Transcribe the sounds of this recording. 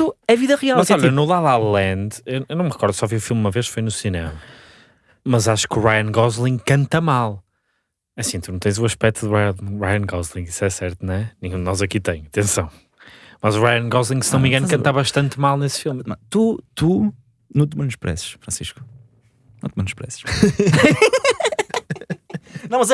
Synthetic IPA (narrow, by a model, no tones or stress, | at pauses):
t̪uɛviðɐʁialˠmɐzɔʎɐnulˠaðalˠɐ̃nd̪ewewnɐ̃w̃mʁɨkɔɾðusɔviufilˠmumɐveʃfojnusinemɐ | mɐzaʃu̥kuʁajɐ̃ŋɡɔzlˠĩkɐ̃nt̪ɐmalˠ | ɐsĩt̪unɐ̃w̃t̪ẽj̃zuɐʃpɛk̚t̪uðɨʁaj̃ʁajɐ̃ɡɔzlˠĩisɛsɛɾt̪uñɛnĩɲũd̪ɨnɔzɐkit̪ɐ̃j̃ɐt̪ẽsɐ̰̃w̃ | mɐzuʁajɐ̃nɡɔzlˠĩŋsɨnumĩɡɐ̃nukɐ̃nt̪aβɐʃt̪ɐ̃nt̪malˠnesfilˠmt̪ut̪u | nũt̪mɐ̃nuʃpɾɛ̰sʃfɾɐ̃siʃku̥ | nɐ̃t̪mɐnuʃpɾɛ̰sʃ | nɐ̃w̃mɐz